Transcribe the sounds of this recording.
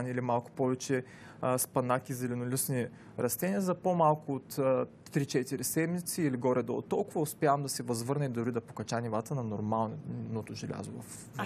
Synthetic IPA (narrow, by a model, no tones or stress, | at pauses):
niːlimalˠkʊ̥pɔvɛt͡ʃɛ | spɐnakʲizɛlɛnʊlʲisni | ɾɐst̪ɛnʲiɐzɐpomalˠkʊot̪ː | ɾit͡ʃɛt̪iɾisɛd̪mit̪siːliɡɔɾɛd̪o̰ʊ̰t̪ːɔlˠkʊvɐʊspʲjavɐmd̪ɐsɛvɐzvɤɾnɛid̪ʊɾid̪ɐpo̥kɐt͡ʃanʲivat̪ənɐnoɾmalˠnot̪oʒɛlʲa̰zovɐ̰f